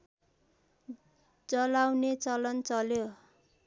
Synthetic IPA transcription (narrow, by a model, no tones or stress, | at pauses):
d͡zʌlawnet͡sʌlʌnt͡sʌljo